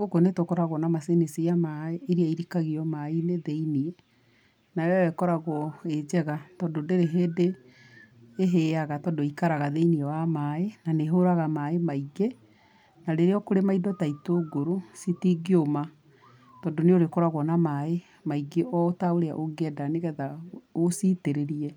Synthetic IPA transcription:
oɡonetokɔɾaɣɔnamasenesiamaeeɾiaiɾikaɣiɔmaineðeiniɛ | naɛɛkɔɾaɣɔed͡ʑɛɣatɔndodeɾeɦeːdeː | ɦeaɣatɔndoikaɾaɣaðeiniɛwamaenaneɦoɾaɣamaemaiɡe | naɾeɾeɔkoɾemaidɔtaitoɡoɾositiɡioma | tɔːndoneoɾekɔɾaɣwɔnamae | maiɡeʔɔtaoɾea̰ʔoɡɛdaneɣɛðaositeɾeɾiɛ

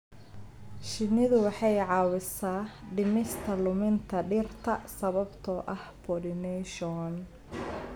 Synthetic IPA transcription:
ʃɪnɪðʊwɑħɑjʕɑːwɪsaːɖɪmɪst̪ʰɐlʊmɪnt̪ʰɐɖɪːrt̪ʰɐsɐβɐbt̪ʰɔːʔɐhpʰɔɖɪnɛʃɔn

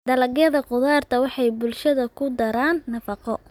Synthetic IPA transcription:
d̪ɐlɐɡjɐðɐqʊðaːrt̪ʰɐwɑħɑjbʊlʃɐðɐkʰʊd̪ɐɾaːnːɐfɑqɔ

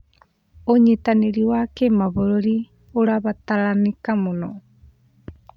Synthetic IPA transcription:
oɲetaneɾiwakemaβoɾoɾi | oɾaβataɾanekamonɔ

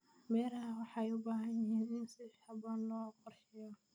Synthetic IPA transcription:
mɛːɾɐɦɐwɑħɑjʊbaːɦɐnjɪɦiːnɪnsɪhɐbɐnlɔːqɔrħɪjɔ

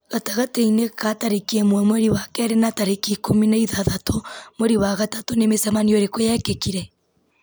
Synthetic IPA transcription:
ɣataɣateinekataɾekemwɛmwɛɾiwakɛɾenataɾekikominaiðaðatomwɛɾiwaɣatatonemesamanioɾekojakekiɾɛ

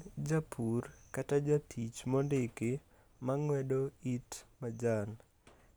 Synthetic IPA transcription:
d͡ʒapʰurkatad͡ʒatʰit͡ʃmɔndɪkɪ | maŋwɛdoitmad͡ʒan

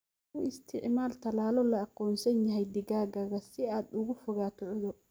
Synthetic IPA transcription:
ʊɪst̪ʰɪʕmaːlt̪ʰɐlaːlɔlɐɑqɔːnsɐnjɐɦɛjd̪ɪɣaːɡɐɣɐsɪaːd̪ʊɣʊfʊɣaːt̪ʰʊʕðɔ

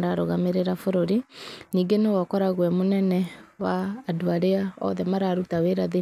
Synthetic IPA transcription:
ɾaɾoɣameɾeɾafoɾoɾiniːŋɡenewɔkɔɾaɣwɛmonɛnɛwaːdoaɾeaɔ̰ðɛmaɾaɾutaweɾaðe

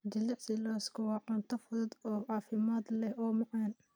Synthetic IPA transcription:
d͡ʒɐlɪʕsɪlaːskʰɐwɑːʕʊnt̪ʰɐfʊðɐd̪ɔːʕɑːfɪmaːd̪lɛhʔɔːmɑʕɑːn

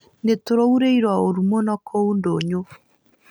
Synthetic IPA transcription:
netoɾouɾeiɾwaoɾumonɔkʰoundoɲo

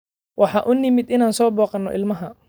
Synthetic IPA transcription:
wʔɑħɑːʔʊnɪmɪd̪ɪnaːnsɔːbɔːqɑnːɔ̰ʔɪ̰lmɐɦɐ

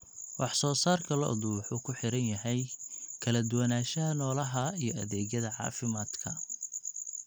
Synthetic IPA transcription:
wɑħsɔːsaːrkʰɐlɔ̰ʔðʊwʊħuːkʰʊħɪɾɐnjɐɦɛjkʰɐlɐd̪ʊwɐnaːʃɐɦɐnɔːlɐɦɐijɞɐðɛːɣjɐðɐʕɑ̰ːfɪmaːd̪kʰɐ

